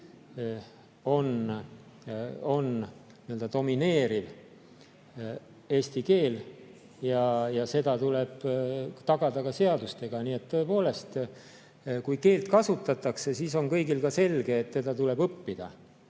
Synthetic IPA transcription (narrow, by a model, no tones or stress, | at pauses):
o̞n | o̞n | niø̞ld̪̥ɑt̪o̞mine̞ːɾiv | e̞ːsʲt̪ike̞ːl | jɑjɑse̞d̪̥ɑt̪ule̞b̥t̪ɑɡ̥ɑd̪̥ɑkɑse̞ɑd̪ust̪e̞ɡ̥ɑniːe̞t̪ːo̞e̞po̞ːle̞st̪ | kujke̞ːlt̪kɑsut̪ːˑɑt̪ːˑɑkse̞siso̞nkɤjɡilkɑse̞lɡe̞ːt̪ːe̞d̪̥ɑt̪ule̞bɤpːid̪̥ɑ̰